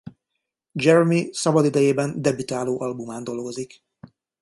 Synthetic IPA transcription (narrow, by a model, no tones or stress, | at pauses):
d͡ʒɛɾɛmisɒbɒd̪id̪ɛjeːbɛnd̪ɛbit̪aːloːʔɒlbumaːnd̪o̞lɡo̞zik